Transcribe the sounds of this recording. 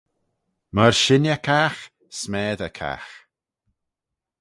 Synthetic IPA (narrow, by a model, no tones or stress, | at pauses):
məɹʃɪnjəkʰax | smɛːðəkʰa̰ːx